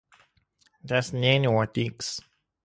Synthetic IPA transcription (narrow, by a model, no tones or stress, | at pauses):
dɛsnẽnɔt̪iks